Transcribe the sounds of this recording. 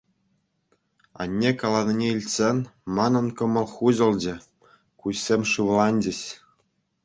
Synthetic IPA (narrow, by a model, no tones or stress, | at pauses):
ɑ̰nʲːekɑlˠɑnʲɤnʲeilʲtʲsʲenʲmɑnɤ̆nkɤ̆mɤ̆lˠχuʑɤ̆lʲˠd͡ʑɘ̆ | kuɕsʲemʲʂɯʋlˠɑnʲd͡ʑɘ̆ɕ